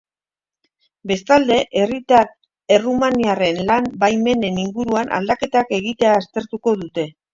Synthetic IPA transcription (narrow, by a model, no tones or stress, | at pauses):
be̞st̪ald̪e̞ʔe̞rit̪aɾ | erumaniare̞nlambajme̞ne̞niŋɡuɾuanʔa̰ld̪ake̞t̪ake̞ɣ̞it̪e̞aːst̪e̞ɾt̪uko̞ðut̪e̞